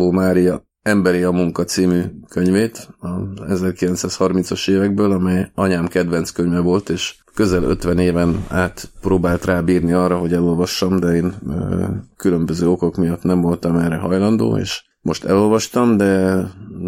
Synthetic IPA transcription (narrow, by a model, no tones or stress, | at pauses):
oːmaːɾijɒ | ɛmbɛɾiɒmuŋkɒt̪siːmyːkø̞ɲveːt̪ɒɛzɛrkilɛnsaːshɒrmint̪sɒʃeːvɛɡ̚bøːlɒmɛjɒɲaːmkɛd̪vɛnt̪skøɲvɛvo̞lt̪eːʃ | kø̞zɛlø̰t̪vɛneːvɛna̰ːt̪proːbaːlt̪raːbiːrniɒrɒɦo̞ɟɛlo̞lvɒʃːɒmd̪ɛeːn | kylø̞mbøzøːo̞ko̞kmijɒt̪nɛɱvo̞lt̪ɒmɛrɛɦɒjlɒnd̪o̰ːḛːʃ | mʔo̞ʃt̪ɛ̰lo̞lvɒʃt̪ɒmd̪ɛ